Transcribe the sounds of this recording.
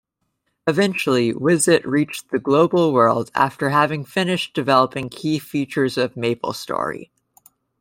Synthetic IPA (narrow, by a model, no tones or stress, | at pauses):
ɨvɛ̃nt͡ʃl̩ˠiwɪzɨʔɹit͡ʃðɨɡloʊbl̩ˠwɜ˞lˠdæ̰ftə˞ɦævɪ̃ŋfɪ̃nɨʃd̥ɨvɛlˠəpɪ̃ŋkʰifit͡ʃə˞zʌvmeɪpl̩ˠstɔ̰ɹḭ